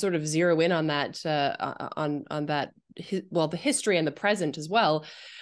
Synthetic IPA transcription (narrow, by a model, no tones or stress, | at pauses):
sɔɹɾʌvzɪɹoʊɪ̃ñə̃nðətʌ̰ə̰̃nə̰̃nðɨt̚ | hɪwɛlˠðɨhɪstɹ̥iɨ̃nðɨpʰɹ̥ɛzɨ̃ntɨzwɛlˠ